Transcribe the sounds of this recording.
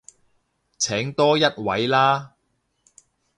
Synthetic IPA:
t͡sʰɛː˨˥ŋt̪ɔː˥jɐ˥t̚wɐ̰˨˥jlaː˥

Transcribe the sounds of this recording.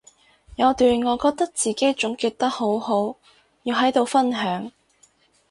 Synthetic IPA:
jɐ˨˧wt̪yː˨nŋɔː˨˧kɔː˧k̚t̪ɐ˥k̚t͡siː˨˩ke˨˥jt͡ʃʊ˨˥ŋkyː˧t̚t̪ɐ˥k̚ho˨˥who˨˥w | jiː˧wɦɐ˨˥jt̪o˨˧wfɐ˥nɦœː˨˥ŋ

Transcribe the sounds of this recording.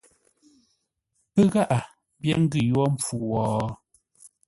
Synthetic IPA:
pə˦ɣa˦ʔa˨ | bjɛ˦ŋ̩˦ɡɨ˦˨jwɔ˦m̩p͡fu˨wɔː˨

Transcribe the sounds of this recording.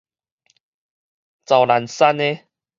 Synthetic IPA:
t͡sa˨˩wla˨nsa˦ne˦

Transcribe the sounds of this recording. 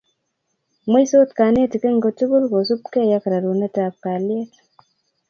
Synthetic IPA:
mo˦jso˦t̪ka˨ne˦ti˨ke˦ŋɡo˨tu˦ku˦lko˨su˦p̚ke˦ja˦kɾa˨ɾu˨ne˦ta˨k̚pa˨lje˦t

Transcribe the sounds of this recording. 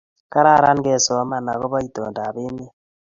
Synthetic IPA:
ka˦ɾa˦˨ɾa˦nɡe˨so˨˦ma˨na˨ɣo˦βa˦ito̰˨nda˨βe˦ne˦

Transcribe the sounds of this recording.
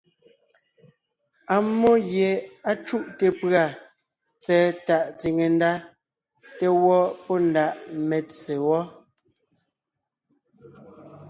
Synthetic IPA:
a˨mːo˦ɣje˨a˦t͡ʃu˦ʔte˨pɰa˨ | t͡sɛː˨˦ta˨ʔt͡si˨ŋe˨nda˦ | tɛ˦wɔ˦pɔ˦nda˨ʔme˨t͡se˨wɔ˦

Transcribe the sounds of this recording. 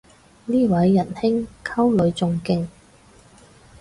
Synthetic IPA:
niː˥wɐ˨˥jːɐ˨˩nhɪ˥ŋkʰɐ˥wlɵ˨˧ɥt͡sʊ˨˧ŋkɪ˧ŋ

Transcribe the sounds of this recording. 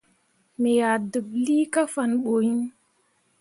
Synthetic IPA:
me˨ja˨də˨b̚li˦ka˦fa˨nɓo˨ji˦n

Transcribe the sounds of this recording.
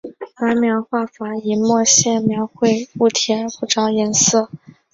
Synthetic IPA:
a˧˥mjɑ˧˥ʊxwa˥˩fa˧˥i˨˩mwɔ˥˧ɕjɛ˥˩nmjɑ˧˥ʊxwe˥˧ɪu˥˩t̪ʰjɛ˧˥nu˥˩ʈ͡ʂɑ˧˥ʊjɛ˧˥nsɤ˥˩

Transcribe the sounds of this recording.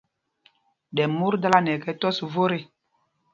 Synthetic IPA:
ɗɛ˨mu˦ɾda˦la˦nɛ˨kɛ˦tɔ˦su˨vo˦ɾe˨

